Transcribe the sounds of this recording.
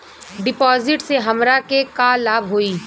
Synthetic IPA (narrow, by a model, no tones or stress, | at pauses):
ɖɪpɔːzɪʈseɦɐmɾakekaːlaːbɦoːiː